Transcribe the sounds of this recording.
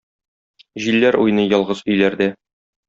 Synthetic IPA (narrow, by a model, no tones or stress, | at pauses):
ʑilːæɾujnɤjɒlˠʁɤzɵ̆jlæɾd̪æ